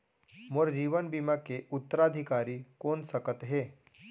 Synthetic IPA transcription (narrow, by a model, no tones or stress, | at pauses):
moɾd͡ʒiːʋənbimakeʊt̪ːəɾaːd̪ʱɪkaːɾikoːnsəkət̪ɦeː